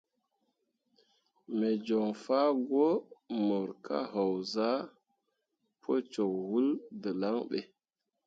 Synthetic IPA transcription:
me˨d͡ʒo˨ŋfa˦ɡo˦mə˨ɾkʰa̰˦ɦa˨wza˦ | pʰo˦t͡ʃo˨khu˦ldə˨la˦ŋɓe˨

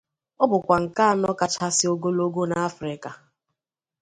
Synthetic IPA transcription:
ɔ˦bʊ˨kʷa˨ŋ̩˨ka˦a˦˨nɔ˦ka˨t͡ʃa˦sɪ˦o˦ɡo˦lo˦ɡo˦na˨a˦fɾɪ˦ka˨

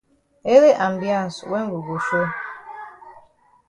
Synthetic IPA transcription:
e˦ɾe˦ʔa˨mbjã˦˨n˨swɛ˦ŋ˦ɡu˨ɡu˨ʃo˦

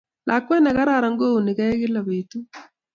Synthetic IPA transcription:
lʔa˨kwɛ˦nɛ˨ɣa˦ɾa˦˨ɾa˨ŋ˦ɡo˦u˨ni˨ɣa˦e˦ɣe˦la˨βe˨tu˦

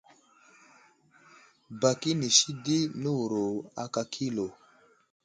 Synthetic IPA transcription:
ba˨ki˦ni˨si˦di˦nu˦wu˨ɾo˨a˨ka˨kʰi˦lo˨

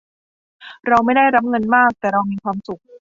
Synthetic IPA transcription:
ɾa˧wma˥˩jda˥˩jɾa˦˥p̚ŋɤ˧nmaː˥˩k̚t̪ɛː˨˩ɾa˧wmiː˧kʰwaː˧msu˨˩k̚

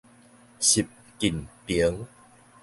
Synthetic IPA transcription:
ɕi˨˩p̚ | ki˨˩npi˨˦ŋ

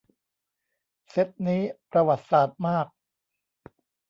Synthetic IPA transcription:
se˦˥t̪̚niː˦˥pɾa˧wa˨˩t̪̚saː˨˩t̪̚maː˥˩k̚

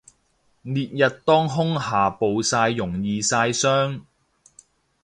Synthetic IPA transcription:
niː˨t̚jɐ˨t̚t̪ɔː˥ŋɦʊ˥ŋhaː˨˩po˨wsaː˧jːʊ˨˩ŋjiː˨˧saː˧jsœː˥ŋ

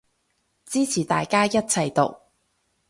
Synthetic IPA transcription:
t͡siː˥t͡sʰiː˨˩t̪a̰ː˨jkaː˥jɐ˥t̚t͡sʰɐ˨jt̪o˨˩k̚

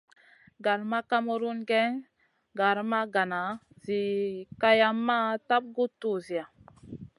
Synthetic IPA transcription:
ɡa˨ɾma˦ka˦mo˨ɾu˦nɡe˦ | ɡa˨ɾma˦ɡa˨na˨ | zi˨ka˦ja˦mːa˦ta˦p̚ɡu˦tːu˦˨zi˨a˨

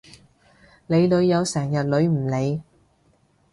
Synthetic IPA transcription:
le˨˧jlɵ˨˧ɥjɐ˨˧wsɛː˨˩ŋjɐ˨t̚lɵ˨˧ɥm̩˨˩le˨˧j

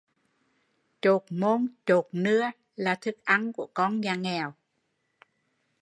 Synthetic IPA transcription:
t͡ɕo˨˩t̚mo˧nt͡ɕo˨˩t̚nɨ˧ə | laː˨˩t̪ʰɨ˨˩k̚ʔa˧nku˧˩əkɔ˧nɲaː˨˩ŋɛ˨˩w

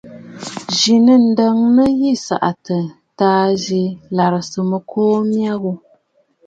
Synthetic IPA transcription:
ʒi˨nə˦n̩˨˦də˦ŋnə˦ji˦˨sa̰˨ʔa˨tə˨ | taː˦ʒi˨la˨ɾə˨sɨ˨mə˨kʰoː˦mja˦ɣu˦

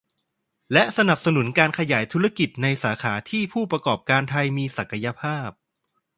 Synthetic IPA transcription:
lɛ˦˥ʔsa˧na˨˩p̚sa˧nu˩˦nkaː˧nkʰa˧jaː˩˦jt̪ʰu˦˥ɾa˧ki˨˩t̪̚na˧jsaː˩˦kʰaː˩˦t̪ʰiː˥˩pʰuː˥˩pɾa˧kɔː˨˩p̚kaː˧nt̪ʰa˧jmiː˧sa˨˩ka˧ja˧pʰaː˥˩p̚

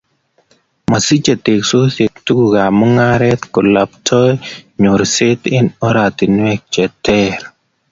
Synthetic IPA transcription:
ma˨si˦t͡ʃe˨te˨kso˦se˨k̚tu˦ɡu˨ɡa˨mɔ˦ŋa˦ɾɛ˦t̪kɔ˨la˨ptʰɔ˦jɲo˨ɾsɪ˦t̪ɪ˦nɔ˦ɾa˨ti˨n˦ɛ˦k̚t͡ʃɛ˨tɛ˦ɾ

